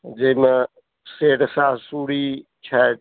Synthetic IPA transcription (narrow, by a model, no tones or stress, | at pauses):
d͡ʒeme | seːʈsaːsuːɽi | t͡ʃʰa